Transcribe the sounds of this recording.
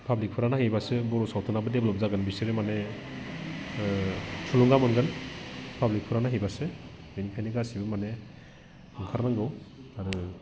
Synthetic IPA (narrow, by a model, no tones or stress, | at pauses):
pʰablik̚pʰɯɾanahejbasɯbɔɾɔsawtʰunabɯdeblɔp̚zaɡɯnbiseɾemane | sʰuluŋɡamɔnɡɯnpʰablik̚pʰɯɾanaɦejbasɯ | benikʰajneɡasibɯmane | ɯŋkʰaɾnaŋɡɯwaɾɯ